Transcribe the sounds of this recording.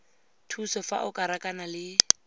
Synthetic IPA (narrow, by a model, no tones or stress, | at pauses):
tʰusɔfa̰ʔʊkʼaɾakʼanalɪ